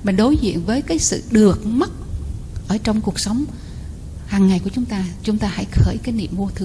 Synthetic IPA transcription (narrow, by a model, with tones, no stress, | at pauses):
mï˨˩ɗo˨˦jzḭ˧˨ənvəː˨˦jkaː˨˦jsɨ̰˧˨ɗɨ˨˩ək̚mə˦˥t̚ | ʔəː˧˩t͡ɕɔ˧wŋ͡mku˨˩ək̚sa˨˦wŋ͡m | haː˨˩ŋːa˨˩jkət͡ɕʊ˨˦ŋ͡mt̪aː˧t͡ɕʊ˨˦ŋ͡mt̪aː˧ha̰˧˥˨jxəː˧˩jkaː˨˦jnḭ˧˨əmvu˧ət̪ʰɨ˧